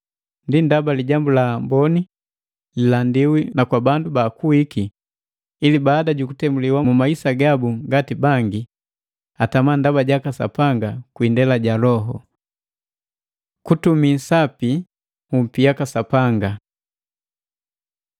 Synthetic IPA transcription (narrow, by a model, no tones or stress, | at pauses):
ndindabaliɟambulambɔni | lilandiwinakwabandubaːkuwikiː | libaːdaɟukutɛmbuliwamumaisaɡabuŋɡatibaŋɡi | atamandabaɟakasa̰paŋɡakwindɛlaɟalɔɦɔ | kutumisapi | hum̩pijakasapaŋɡa